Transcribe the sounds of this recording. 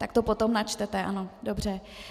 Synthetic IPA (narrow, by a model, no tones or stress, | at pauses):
t̪ak̚t̪opo̞t̪omnat͡ʃt̪ɛt̪ɛʔa̰no̞dobr̝ɛ